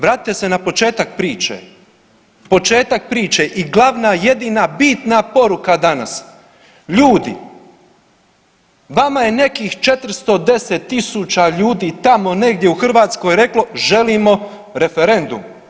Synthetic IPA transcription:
ʋɾaːt̪i̥t̪ese̞napo̞t͡ʃe̞ːt̪ak̚pɾiːt͡ʃḛ | po̞t͡ʃe̞ːt̪ak̚pɾiːt͡ʃeʔiɡlˠaʋnaje̞d̪inabiːt̪napo̞ɾukad̪ana̰s | ʎuːd̪ḭ | ʋamaje̞ne̞kixt͡ʃe̞t̪r̩st̪o̞d̪e̞set̪ːisut͡ʃaʎuːd̪iːt̪amo̞ne̞ɡd̪jeuxr̩ʋaːt̪skojeɾe̞klˠo̞ʒe̞liːmo̞ | ɾe̞feɾe̞nd̪ṵm

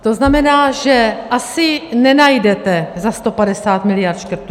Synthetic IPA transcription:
t̪o̞znamɛnaːʒɛʔasɪnɛnajdɛt̪ɛzast̪o̞padɛsaːt̪mɪlɪjaɾt̪ʃkr̩ɾt̪u

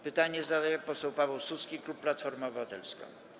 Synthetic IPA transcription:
pɘt̪aɲɛzad̪ajɛpɔsɛwpavɛwsuskʲiklupːlat̪fɔɾmɛɔbɘvat̪ɛlskɔ̰̃

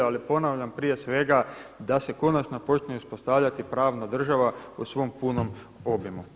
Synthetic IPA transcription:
alipo̞naʋʎampɾije̞sʋe̞ɡad̪ase̞ko̞nat͡ʃnopo̞t͡ʃneuspo̞st̪aʋʎat̪ipɾaːʋnad̪r̩ʒaʋausʋo̞mpuno̞m | o̞bjemu

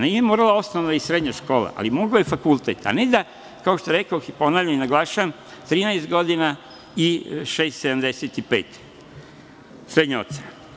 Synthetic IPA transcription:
neiemoːɾalao̞snoʋnaisɾed̪ɲaʃko̞ːla̰ʔa̰limoɡaojefakult̪et̪a̰ne̞d̪a | kao̞ʃt̪oeɾekaoxipo̞naːvlʎaninaɡlˠaːʃaʋam | t̪ɾiːnaest̪ɡo̞d̪ina | iʃeːst̪sed̪amd̪eset̪ipeːt̪ | sɾed̪ɲao̞t̪sena

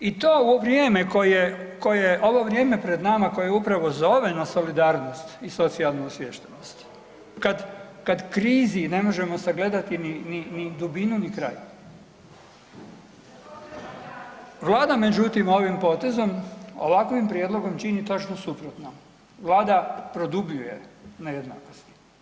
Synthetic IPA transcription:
it̪oːuʋɾjeːme̞ko̞jeko̞jeʔo̞ʋo̞ʋɾje̞ːme̞pɾe̞d̪namako̞jejeupɾaʋo̞zo̞ʋe̞naso̞lid̪aːɾno̞st̪iso̞t̪sialˠnuusʋjeʃt̪enost̪ | kad̪kad̪kɾiːzine̞mo̞ʒe̞mo̞saɡle̞d̪at̪inininid̪ubinunikɾa̰j | ʋlˠaːd̪ame̞d͡ʒut̪imo̞ʋimpo̞t̪e̞zo̞mo̰ʋakʋimpɾje̞d̪lˠo̞ɡo̞mt͡ʃinit̪o̞t͡ʃnosupɾot̪no | ʋlˠaːd̪apɾo̞d̪ubʎujḛnajed̪na̰ːkost̪i̥

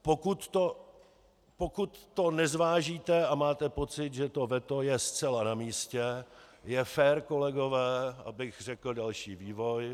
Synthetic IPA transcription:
pokut̪ːo | pokut̪ːo̞nɛzvaːʒiːt̪ɛamaːt̪ɛpo̞t͡sɪt̪ʒɛt̪o̞vɛt̪o̞jɛst͡sɛlanamiːscɛjɛfɛːɾko̞lɛɡo̞vɛːʔa̰bɪxr̝ɛkl̩dalʃiːviːvo̞j

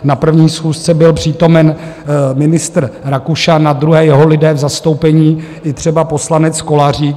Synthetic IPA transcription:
napr̩vɲiːsxuːst͡sɛbɪlpr̥iːt̪o̞mɛnmɪnɪst̪r̩ɾakuʃanad̪ɾuɦɛːjɛɦo̞lɪdɛːvzast̪o̞wpɛɲiːʔɪt̪r̝̥ɛbapo̞slanɛt͡sko̞lar̝iː

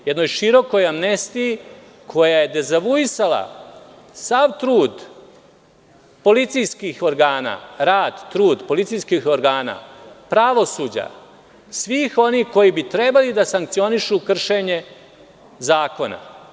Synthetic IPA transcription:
jed̪no̞jʃiɾo̞ko̞jamnest̪iji | kʰo̞jajed̪e̞zaʋuisala̰ | saʋt̪ɾuːd̪ | po̞lit̪sijskixo̞ɾɡaːna̰ːɾaːd̪t̪ɾuːd̪po̞lit̪sijskixo̞ɾɡaːna̰ːpɾaʋo̞suːd͡ʑa̰ | sʋiːxo̞nixko̞jibit̪ɾebalid̪asaŋk̚t̪sio̞niʃukr̩ʃe̞ɲe̞ | zaːko̞na̰

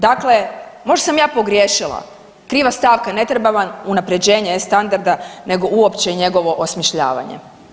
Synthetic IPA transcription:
d̪aklemo̞ʒdasamjaːpo̞ɡɾjeːʃilˠa̰ | kɾiːʋast̪aːʋkane̞t̪ɾebaʋanunapɾe̞d͡ʑe̞ːɲest̪and̪aɾd̪ane̞ɡo̞ʔuo̞pt͡ɕeiɲe̞ɡo̞ʋo̞ʔosmiʃʎa̰ːʋa̰ɲḛ

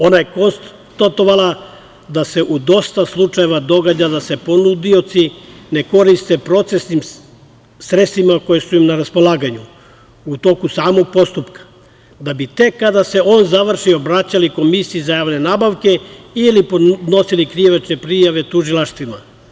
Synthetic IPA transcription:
o̞naje̞ko̞ns | t̪at̪o̞ʋalˠa | d̪ase̞ʔud̪o̞st̪aslˠut͡ʂaje̞ʋad̪o̞ɡad͡ʑad̪ase̞po̞nud̪io̞t̪sine̞ko̞ɾist̪e̞pɾo̞t̪se̞snim | sɾetst̪ʋimako̞jesuimnaɾaspo̞lˠaːɡaɲu | ut̪o̞kusaːmo̞ɡ̚po̞st̪upkḁ | d̪abit̪e̞kːad̪ase̞o̞ːnzaʋr̩ʃiobɾat͡ɕaliko̞misiizajaːʋne̞naːbaʋke̞ilipod̪no̞silikɾiʋet͡ʃɲe̞pɾijaʋe̞t̪uʒilˠaʃt̪ʋima

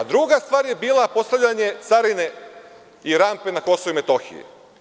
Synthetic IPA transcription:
ad̪ɾuɡast̪ʋaːɾje̞biːlˠapo̞st̪avʎaɲe̞t̪saɾine̞ | iɾaːmpe̞nako̞souime̞t̪o̞xḭjḛ

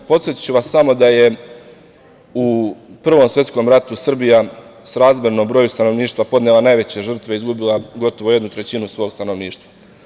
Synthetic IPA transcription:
po̞t̪sjet̪i̥t͡ɕuʋasːamo̞d̪aje̞ | upr̩ʋo̞msʋe̞t̪sko̞mɾat̪usr̩bijasɾaːzmenombɾo̞ːjust̪ano̞ʋniːʃt̪ʋapo̞d̪nelanajʋe̞t͡ɕe̞ʒr̩t̪ʋeizɡubilˠaɡo̞t̪oʋo̞je̞d̪nut̪ɾe̞t͡ɕinusʋo̞ːɡst̪ano̞ʋniːʃt̪ʋa

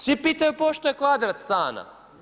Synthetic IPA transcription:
sʋipiːt̪ajupoʃt̪ojekʋad̪ɾat̪st̪aːna̰

